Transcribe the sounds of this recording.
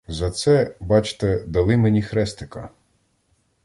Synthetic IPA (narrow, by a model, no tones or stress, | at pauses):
zɐt̪sɛbɑt͡ʃt̪ɛd̪ɐlˠɪmenʲixɾɛst̪ekɐ